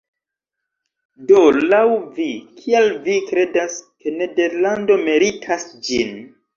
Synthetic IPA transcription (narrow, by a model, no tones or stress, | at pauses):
dolawvikʰialvikɾe̞daske̞ne̞de̞ɾlando̞meɾitʰasd͡ʒin